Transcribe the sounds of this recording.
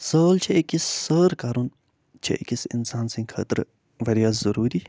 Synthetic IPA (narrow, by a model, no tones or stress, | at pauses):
səːlt͡ʃʰeekisːəːɾkaːɾun | t͡ʃʰɐ̰ḛkisḭnsaːnsĩŋkʰɐ̰ːt̪ɾ | ʋɐɾijaːzɐɾuːɾi